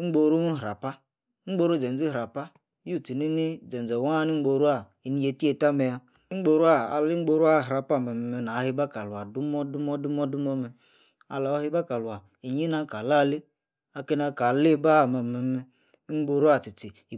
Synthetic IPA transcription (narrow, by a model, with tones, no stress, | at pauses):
ŋ͡m̩˦ɡ͡bo˨ɾu˦nu˦ɦɾa˨pa˦ | ŋ͡m̩˦ɡ͡bo˦ɾu˦˨d͡ʒe˨n˨d͡zi˦˨ɾa˨pa˦ | ju˦˨ti˨ni˦ni˦d͡ʒe˨n˨d͡ze˨wa˦ni˦ŋ͡m̩˦ɡ͡bo˨˧ɾu˦a˦˨ | i˨ni˨˦je˦ti˦e˦ta˦me˨ja˦ | ɡ͡bo˧ɾu˦a˦˨a˨li˦ŋ͡m̩˦ɡ͡bo˧ɾu˦a˦˨ɦɾa˨pa˦˨me˨me˨me˨na˨˦hi˦ba˦ka˨lu˨a˨du˦mɔ˦du˦mɔ˦du˦mɔ˦du˦mo˦me˨ | a̰˨la˨o˦hi˦ba˦ka˨lu˨a˨ | i˨ɲi˦na˦ka˨la˦˨li˦ | a˨ke˦na˨ka˨li˦ba˦˨me˨me˨me˦ | ŋ͡mɡ͡bo˧ɾu˦a˦˨ti˨ti˨